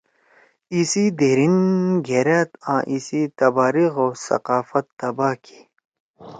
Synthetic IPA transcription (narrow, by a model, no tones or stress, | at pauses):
isid̪eɾinɡʱeɾat̪ã̰ːʔisit̪ɐbaːɾiɣoːsɐ̰qaːfɐt̪ːɐbaːkʰi̥